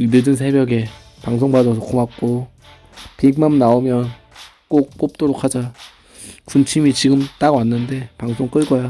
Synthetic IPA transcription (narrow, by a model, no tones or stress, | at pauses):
dɯdɯnsʰe̞bjʌɡe̞ | paŋsʰoŋbadʌsʰʌk͈omak̚k͈o | piɡ̚mamnaomjʌn | k͈ok̚p͈op̚t͈oɾokʰad͡ʑa | kunt͡ɕʰimit͡ɕiɡɯmt͈aɡwanːɯnde̞paŋsʰoŋk͈ɯɭkʌja